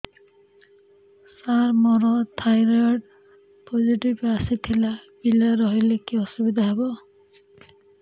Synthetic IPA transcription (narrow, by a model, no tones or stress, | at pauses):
saɾmɔɾɔt̪ʰajɾaɖ̚ | pʰoziʈibasit̪ʰelabilaɾɔɦɔlekiɔsubid̪aɦebɔ